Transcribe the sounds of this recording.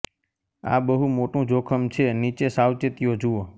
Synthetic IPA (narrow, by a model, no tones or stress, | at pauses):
a̰bəɦumoʈũd͡ʒokʰəmt͡ʃʰenit͡ʃesawt͡ʃət̪ijod͡ʒuo